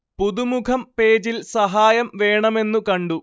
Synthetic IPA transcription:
puðumukʰɐmpe̞ːd͡ʑilsɐɦaːjɐmʋe̞ːɳɐme̞nːukɐɳɖu

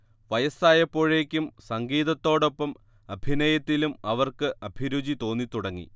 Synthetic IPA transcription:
ʋɐjɐsaːjɐpːo̞ːɻe̞ːkʲːumsɐŋɡiːðɐt̪ːo̞ːɽo̞pːɐm | ɐbʱinɐjɐt̪ːilumɐʋɐrkɨʔɐbʱiɾud͡ʑit̪o̞ːnːit̪uɽɐŋːḭ

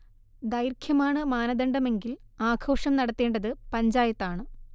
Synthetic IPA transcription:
d̪ɐjɾkʰjɐmaːɳɨmaːnɐd̪ɐɳɖɐme̞ŋɡilaːkʰo̞ːʂɐmnɐɽɐt̪ːe̞ːɳɖɐðɨpɐɲd͡ʑaːjɐt̪ːaːɳɨ

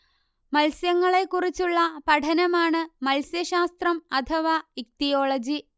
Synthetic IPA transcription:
mɐlsjɐŋːɐɭe̞kːurit͡ɕːuɭːɐpɐʈʰɐnɐmaːɳɨmɐlsjɐɕaːst̪rɐmɐt̪ʰɐʋaːik̚t̪ijo̞ːɭɐd͡ʑi

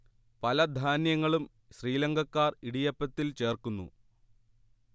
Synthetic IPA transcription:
pɐlɐd̪ʱaːnjɐŋːɐɭum | ɕriːlɐŋɡʱɐkːaːriɽijɐpːɐt̪ːilt͡ɕe̞ːrkunːṵ

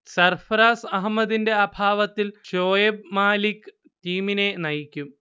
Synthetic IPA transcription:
sɐrfɐɾaːsɐɦmːɐðinde̞ɐbʱaːʋɐt̪ːilɕoːjebmaːlikʲːɨ | tiːmine̞nɐjikʲːum

